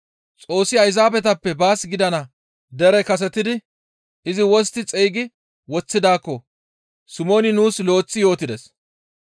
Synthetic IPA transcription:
t͡sʼo̞ːsːɪɐjzaːbɛt̪ɐpːɛbaːsɡɪd̪ɐnɐ | d̪ɛɾɛkɐs̬ɛt̪ɪd̪ɪ | ɪzɪwɔst̪ːɪt͡sʼejɡɪ | wɔt͡sːɪd̪aːkːɔ | sʊmo̞ːnɪnuːslo̞ːt͡sːɪjo̞ːt̪ɪd̪ɛs

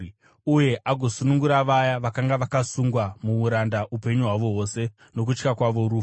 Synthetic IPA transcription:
uje̞ʔaɡʱo̞sunuŋɡuɾaʋajaʋakaŋɡaʋakasuŋɡwamuuɾandaʔupe̞ɲuɦwaʋo̞ɦo̞se̞ | no̞k̬ut͡ʃkakwaʋo̞ɾuː

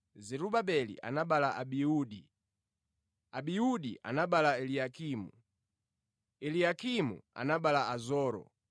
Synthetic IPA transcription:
zɛɾuɓaɓɛlḭʔa̰naɓalaʔaɓiuːɗi | aɓiuɗiʔa̰naɓalaɛliakʰiːmṵ | ɛliakʰimṵa̰naɓalaazɔːɾɔ̰

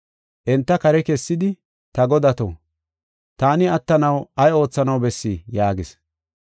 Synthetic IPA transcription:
ʔɛnt̪ːɐkɐɾɛkɛsːɪd̪ɪ | t̪ɐɡɔd̪ɐt̪o̰ː | t̪aːnɪɐt̪ːɐnɐwɐjo̞ːt͡sːɐnɐwbɛsːijaːɡɪs

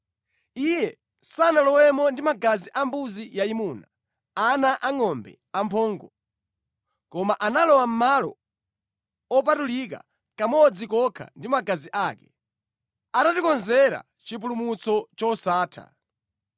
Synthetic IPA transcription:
ijɛ | sanalɔwɛmɔndimaɡaziʔambuzijaimuːna | anaʔaŋɔmbɛ̰ | ampʰɔːŋɡɔ | kɔmaʔanalɔwam̩malɔ̰ | ɔp̬atulik̬a̰ | kamɔd͡zikɔkʰa̰ndimaɡaziʔakɛ | atatikɔnzɛɾa̰ | t͡ʃip̬ulumut͡sɔt͡ʃɔsaːtʰa̰

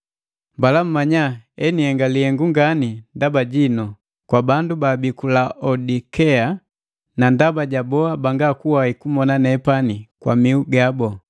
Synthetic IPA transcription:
mbalam̩maɲaɛnihɛŋɡalihɛŋɡuŋɡanindabaɟinɔ | kwabandubabikulaʔɔdikɛa | nandabaɟabɔabaŋɡakuwaikumɔnanɛpanikwamiuɡabɔ

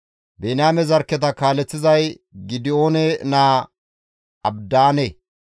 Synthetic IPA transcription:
benaːmɛzɐɾkːɛt̪̬ɐkaːlɛt͡sːɪzɐj | ɡɪd̪ɪo̞ːnɛnaː | ɐbd̪aːne

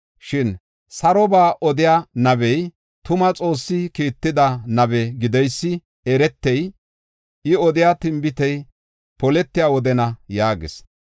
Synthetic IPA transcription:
ʃɪn | sɐɾɔbaːʔɔd̪ɪjaːnɐbɛj | t̪ʊmɐt͡sʼo̞ːsːɪkiːt̪ːɪd̪ɐnɐbɛɡɪd̪ɛjsːɪ | ɛɾɛt̪ːɛj | ɪɔd̪ɪjaːt̪ɪmbɪt̪ɛj | pɔlɛt̪ːɪjawɔd̪ɛnɐjaːɡɪ̰s

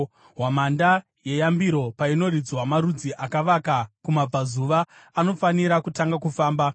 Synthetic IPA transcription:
ɦwamanda | je̞jambiɾo̞paino̞rid͡zwamaɾud͡ziʔakaʋakakumab͡vazuʋaano̞faniɾakutaŋɡakufaːmba

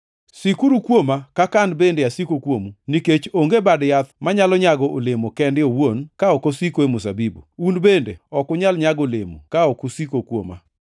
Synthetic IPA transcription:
sikuɾukwomakakandbendeasikokwomuniket͡ʃoŋɡebadjat̪maɲalɔɲaɡɔʔolemokɛndɪowonkaɔkosikoemʊsa̰bibo̰unbendḛɔkʊɲalɲaɡolemṵkaɔkʊsikokwo̰ma̰

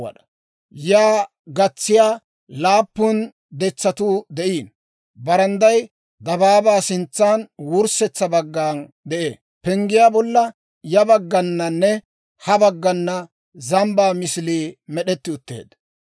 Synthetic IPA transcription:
ɐ̰ɗɐ̥ | jaː | ɡɐt͡sːɪjaː | laːpːʊn | d̪ɛt͡sːɐt̪uːd̪ɛʔiːn | bɐɾɐnd̪ɐj | d̪ɐbaːbaːsɪnt͡sːaːnwʊɾsɛt͡sːɐbɐɡːaːn | d̪ɛʔḛː | pɛŋɡɪjaːbɔlːɐ | jɐbɐɡːɐnːɐnːɛ | hɐbɐɡːɐnːɐ | zɐmbaːmɪsliːmɛɗɛt̪ːɪʊt̪ːḛːd̪

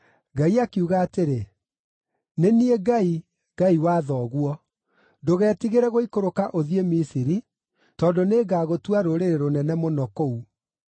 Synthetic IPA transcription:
ɡaiakiuɣaːteɾe | nenieɡai | ɡaiwaːðɔːɣwɔ | doɣɛːtiɣeɾɛɣoikoɾokaʔoðiemisiɾi | tɔndoneːɡaːɣotwaɾoɾeɾeɾonɛnɛmonɔkou

